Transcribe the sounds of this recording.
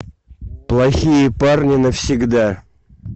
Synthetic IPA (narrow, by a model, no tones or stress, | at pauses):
plˠaxʲijəparnʲɪnɐfsʲiɡd̪a